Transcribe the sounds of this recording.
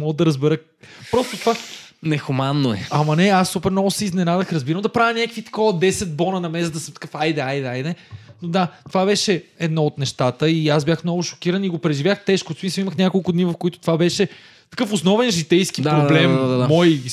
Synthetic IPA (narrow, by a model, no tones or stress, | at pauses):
mɔɡəd̪ɐɾəzbɛɾə | pɾɔst̪ot̪ovanɛxʊmanːoɛɐmɐnɛasːupɛɾnɔɡʊsɛiznɛnad̪əxɾɐzbiɾəmd̪ɐpɾavʲɐnʲakvit̪ɐ̥kɔvəd̪ɛsɛd̪̚bɔnɐnɐmɛsəd̪ɐsɤmt̪ɐ̥kɤfajd̪ɛajd̪ɛajd̪ɛnod̪at̪ovabɛʃɛɛd̪nɔot̪nɛʃt̪at̪əiasbʲjaxmnɔvʊʃo̥kʲiɾəniɡopɾɛʒivjaxt̪ɛʃkʊsmisəlˠiməxnʲakolˠkʊd̪nivɐfkoit̪ʊ̥t̪ovabɛʃɛ | t̪ɐ̥kɤfʊsnɔvɛnʒit̪ɛjsk̟id̪apɾoblɛmaaaːɔj